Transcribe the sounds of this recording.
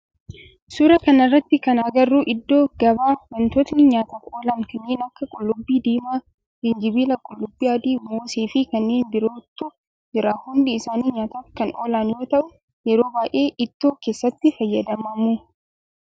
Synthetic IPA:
sʊɾɐkɐnɐrːɐt̪ːɪkɐnaɡɐrːuːʔɪd̪ːoːɡɐbaːwɐnt̪oːt̪nɪɲaːt̪ɐːfoːlaːnkɐnːeːnɐkːɐkʼʊlːʊbːiːd̪iːmaː | lɪnd͡ʒɪbiːlɐkʼʊlːʊbːiːjaːd̪iːmoːseːfɪkɐnːe̞ːnbɪɾo̞ːt̪ːʊ | d͡ʒɪɾaːhʊnd̪ɪːsaːniːɲaːt̪ɐfkɐnʔo̰ːlaːnjo̞ːt̪ɐʔʊ | jɛɾo̞ːbaːʔe̞ːʔɪt̪ːo̞ːkeːsːɐt̪ːɪfɐjːɐd̪ɐmɐmuː

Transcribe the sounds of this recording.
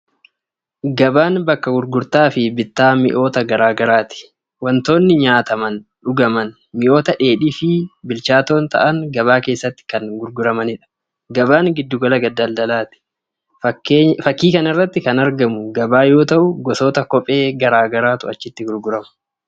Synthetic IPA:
ɡɐbaːnbɐkːɐɡʊɾɡʊɾt̪aːfɪbɪt̪ːaːmɪ̰ʔo̞ːt̪ɐɡɐɾaːɡɐɾaːt̪ɪ̥ | wɐnt̪o̞ːnːɪɲaːt̪ɐmɐnɗʊɡɐmɐn | mɪʔo̞ːt̪ɐᶑe̞ːᶑiːfɪbɪlt͡ʃaːt̪o̞ːnt̪ɐ̰ʔɐŋɡɐβaːke̞ːsːɐt̪ːɪ̥kɐnɡʊɾɡʊɾɐmɐnɪᶑɐ̥ | ɡɐbaːŋɡɪd̪ːʊɡɐlɐɡɐd̪ːɐld̪ɐlaːt̪ɪ̥ | fɐkːiːkɐnɪrːɐt̪ːɪkɐnɐɾɡɐmʊɡɐbaːjo̞ːt̪ɐʔʊɡɔso̞ːt̪ɐkɔpʼe̞ːɡɐɾaːɡɐɾaːt̪ʊɐt͡ʃːɪt̪ːɪɡʊɾɡʊɾɐmɐ̥

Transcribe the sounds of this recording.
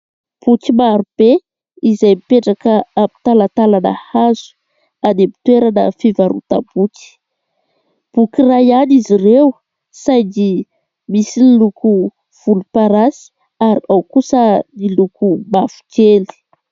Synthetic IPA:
b̥ukimaɾub̥e | izajmipeʈ͡ʂakəami̥t̪alat̪alanə̰hazu̥ | anemi̥t̪weɾanə̰fivaɾṵt̪a̰buki̥ | b̥ukirajanizirew | sajd̪i | misiniluku | v̥ulupaɾasi̥ | aɾiawkusənilukumafu̥keli̥

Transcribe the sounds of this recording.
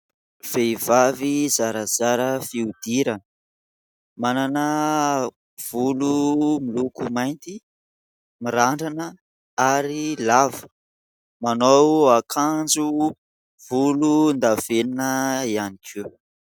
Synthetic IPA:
v̥ejvavizaɾəz̥aɾəfiud̪iɾə | mananə | v̥ulumilukumajnt̪i | miɾaɳɖ͡ʐanə | aɾilavə̥ | manowakʰand͡zu | vulund̪aveninəianikʰu

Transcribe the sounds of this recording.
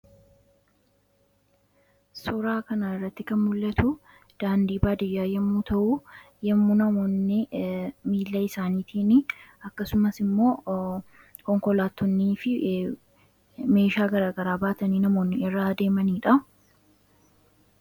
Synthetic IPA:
sɔɾaːkɐnaːɪrːɐt̪ːɪkɐnmʊlːɐt̪ʰʊ | d̪̥aːnd̪iːbaːd̪ɪjːaːjɛmːuːt̪ʰɐʔu | jɐmːunɐmoːnːɪmiːlːɐɪsaːniːt̪ʰiːnɪɐkːɐsʊmɐsɪmːo̞ː | kɔŋkɔlaːt̪ːɔnːiːfɪ | me̞ːʃaːɡɐɾaːɡɐɾaːbaːt̪ɐniːnɐmo̞ːnːɪɪrːad̪e̞ːmɐniːᶑɐ

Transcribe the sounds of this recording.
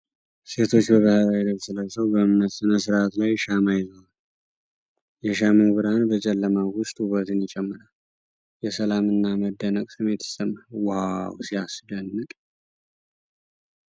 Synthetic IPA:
se̞t̪ʰo̞t͡ʃːbəβəhəɾajɛd̪əɡsɨləsəwbəmməsɨnəsɨɾat̪lajʃamajɪzəwal | jɛʃamuβɨɾanbət͡ʃʼɛlːəmawʊst̪ʼhuβət̪ɨnɪt͡ʃʼɛmːɨɾal | jɛsəlamɨnːaməd̪ːənəkʼsɨmet̪ʰɨ̥səmːawawsiasd̪ənːɨk̪ʼ

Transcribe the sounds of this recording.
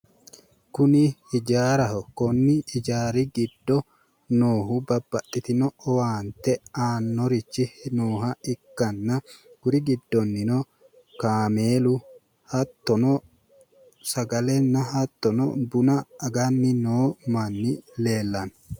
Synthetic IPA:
kʊnɪhɪd͡ʒaːɾɐhɔkɔnːɪɪd͡ʒaːɾɪɡɪd̪ːɔ | noːɦʊbɐbːɐt̪ʼːɪt̪ɪnɔɔwaːnt̪ɛaːnːɔɾɪt͡ʃːɪnoːɦɐɪkːɐnːɐɡ̥ʊɾɪɡɪd̪ːɔnːɪnɔ | kaːmeːlʊ | hɐt̪ːɔnɔ | sɐɡɐlɛnːɐɦɐt̪ːɔnɔ̰bʊnɐːɡanːɪnoːmɐnːɪleːlːɐn

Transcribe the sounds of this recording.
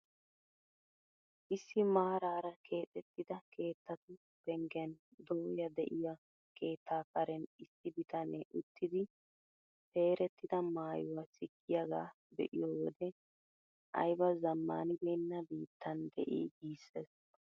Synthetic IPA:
ʔɪsːɪmaːɾaːɾɐkʰe̞ːt̪ʼɛt̪ːɪd̪ɐkʰe̞ːt̪ːɐt̪ʊ | b̥ɛŋɡɛnd̪oːjɐd̪ɛʔɪja | kʰe̞ːt̪ʰːaːkɐɾɛnɪsːɪbɪt̪ɐnɛʔʊt̪ːɪd̪ɪ | te̞ːɾɛt̪ːɪd̪ɐmaːjʊwɐsɪɡːɪjaɡaː | bɛ̰ʔɪjoːwɔd̪ɛ | ʔɐ̰jbɐzɐmːa̰ːnɪbeːnːɐbiːt̪ːɐnd̪ɛ̰ʔḭːɡiːsːɛs

